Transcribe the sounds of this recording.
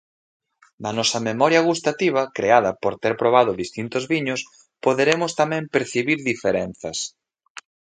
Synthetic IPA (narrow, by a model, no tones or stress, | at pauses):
nɐnɔsɐmemɔɾjaɣust̪at̪iβ̞ɐkɾeaðɐpoɾt̪eɾpɾoβaðʊðist̪int̪ʊzβiɲʊs | poðeɾemʊst̪amɛ̃mpeɾθiβiɾðifeɾenθɐs